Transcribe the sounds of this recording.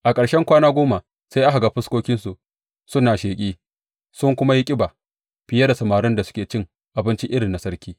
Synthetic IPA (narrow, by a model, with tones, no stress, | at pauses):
ʔa˨kʼɐ˨ɽʃɛ˦ŋkʷaː˦naː˦ɡʷoː˦ma˨ | sa˦jʔa˦ɦa˨ɡaː˨ɸɪ˦skʷoː˦kʲɪ˦nsu˨ʔ | sʊ˦nːaː˨ʃeː˨kʲʼiː˦ | sʊ˦ŋkʷʊ˦ma˦ji˦kʲʼɪ˦baː˨ | ɸɪ˨ja˦da˨sɐ˨maː˨ɾɪ˦nda˨sʊ̥˦kʲeː˨t͡ʃɪ˦˨ŋ | ʔa˨bɪ˦nt͡ʃi˦ʔɪ˦ɽɪ˨nːa˨sɐ˦ɽkʲiː˦